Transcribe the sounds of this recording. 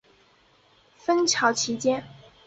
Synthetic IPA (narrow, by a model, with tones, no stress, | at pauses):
fə˥nt͡ɕʰjɑ˧˥ʊt͡ɕʰi˧˥t͡ɕjɛ˥n